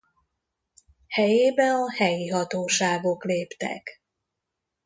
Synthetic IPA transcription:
hɛjeːbɛnɒhɛjiɦɒt̪oːʃaːɡo̞kleːpt̪ɛ̰k

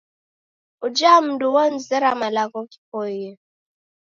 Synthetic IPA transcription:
ud͡ʒam̩duwɔn̩zɛɾamalakɔki̥pɔjɛ

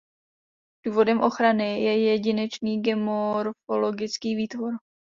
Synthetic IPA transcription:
d̥uːvo̞dɛmʔo̞xɾanɪjɛjɛɟɪnɛt͡ʃniːɡɛmoɾfolo̞ɡɪt͡skiːviːt̪voɾ

